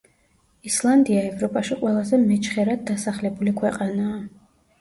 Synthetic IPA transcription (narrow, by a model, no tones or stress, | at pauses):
islˠand̪iaɛvɾɔpʼaʃiqʼwɛlˠazɛmɛt͡ʃʰχɛɾad̪̚d̪ːasaχlɛbulikʰwɛqʼanaː